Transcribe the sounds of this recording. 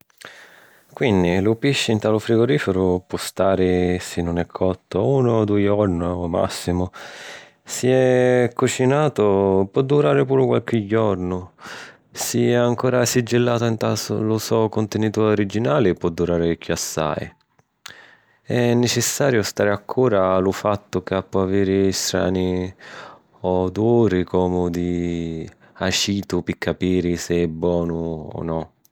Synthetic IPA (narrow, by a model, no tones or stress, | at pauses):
kwind̪ilʊpiʃːɪint̪aːlʊfɾiɡoɾiːfɪɾʊpɔst̪aːɾɪsɪnːʊnɛkʰːɔt̪ːouːnʊd̪ujɔɾnʊma̰sːimʊ | siɛkːut͡ʃinaːt̪ʊpwɔd̪ːuɾaːɾɪpuːɾʊkwa̰lk̟ɪɟːɔɾnʊ | siɛaŋkɔːɾasid͡ʒːɪlːaːt̪ʊint̪asʊ̰lʊsɔkʊnt̪ɪnit̪uːɾoɾid͡ʒinaːlɪpːwɔd̪ːuɾaːɾɪkʰjuasːa̰j | ɛnːɛt͡ʃɪsːaːɾjʊst̪aːɾɪakʰːuːɾalʊfat̪ːʊkapːɔaviːɾɪːst̪ɾa̰ːni | ɔd̪uuːɾɪkɔːmʊd̪i | at͡ʃiːt̪ʊpikʰːapiːɾɪsɪɛbːwɔːnʊɔ̰nɔ